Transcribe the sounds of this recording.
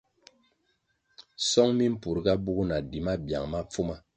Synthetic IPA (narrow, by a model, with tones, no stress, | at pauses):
sɔ˦ŋmi˦m̩˦pu˨ɾɡa˦bu˦kna˨di˨ma˦bja̰˨ŋma˦p͡fu˦ma˦